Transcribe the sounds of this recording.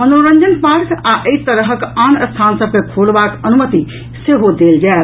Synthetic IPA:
ənoɾə̃ɲd͡ʒənpaɾkaʔəit̪əɾɦəkanəst̪ʰansəb̚kekʰolbakənumət̪i | seɦod̪eld͡ʒael

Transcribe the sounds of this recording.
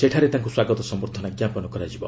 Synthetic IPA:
seʈʰaɾet̪aŋkuswaɡɔt̪ɔsɔmɔɾt̪ʰɔnaɡjapɔnɔkɔɾad͡ʒibɔ̰

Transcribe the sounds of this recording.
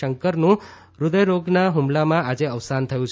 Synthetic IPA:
əŋkəɾnũ | ɾud̪əjɾoɡnaɦumlamãad͡ʒeəʋsant̪ʰəjũt͡ʃʰ

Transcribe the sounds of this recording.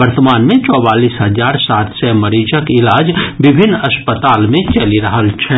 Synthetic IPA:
ɐɾt̪əmaːnmẽt͡ʃɔːbaːliːsɦɐzaːɾsaːt̪ʰsɛmɐɾiːd͡ʒəkɪlaːd͡ʒbɪbʱɪnːɐspət̪aːlmẽt͡ʃɐliɾɐɦəlt͡ʃʰɛ

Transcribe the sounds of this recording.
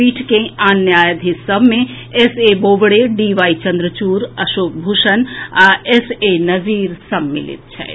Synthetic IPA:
iːʈʰkẽaːnjaːjəd̪ʱisəbʱmẽ | eseboːʋɽeɖiːʋaːit͡ʃɐ̃nd̪ɾət͡ʃuːɾɐʃoːk̚bʱuʃənesenɐziːɾsɐmːɪ̰lɪ̰t̪̚t͡ʃʰɛ̰

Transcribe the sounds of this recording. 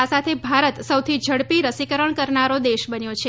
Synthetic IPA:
asat̪ʰebʱaɾət̪səwt̪ʰid͡ʒʱəɽpiɾəsikəɾəɳkəɾnaɾod̪eʃbənjot͡ʃʰe

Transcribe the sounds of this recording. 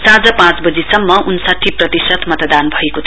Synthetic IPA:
sãd͡zʌpãt͡sbʌd͡zisʌmːʌʔunsaʈʰːiprʌt̪isʌt̪mʌt̪d̪anbʱʌekot̪ʰ

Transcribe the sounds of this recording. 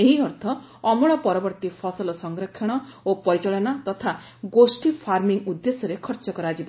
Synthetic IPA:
eɦiɔɾt̪ʰɔ | ɔmɔɽ̃ɔpɔɾɔbɔɾt̪ipʰɔsɔlɔsɔŋɡɾɔkʰjɔɽ̃ɔopɔɾit͡ʃɔɭɔnat̪ɔt̪ʰa | ɡosʈipʰaɾmiŋud̪ːesɔɾekʰɔɾt͡ʃɔkɔɾad͡ʒiba

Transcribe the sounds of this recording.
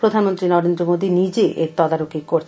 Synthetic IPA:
pɾod̪ʱanmont̪ɾinɔɾend̪ɾomod̪inid͡ʑeʔḛɾt̪ɔd̪aɾokikoɾt͡ɕʰ

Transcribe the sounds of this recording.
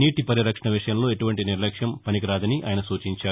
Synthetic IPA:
niːʈipɐɾiɾɐkʂɐɳɐʋiʂɐjɐmlo̞ːe̞ʈuʋɐɳʈiniɾlɐkʂjɐmpɐnikiɾaːd̪ɐniʔa̰ːjɐnɐsuːt͡ʃiɲt͡ʃaːu

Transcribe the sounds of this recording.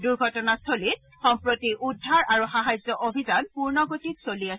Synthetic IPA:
duɹɡʱɔtɔnastʰolit | xɔmpɹotiʔudʱːaɹaɹuxaɦajzɔʔobʱizanpuɹnɔɡotitsoliasɛ

